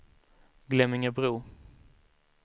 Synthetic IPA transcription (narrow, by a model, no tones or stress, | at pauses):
ɡlɛmɪŋəbɾuː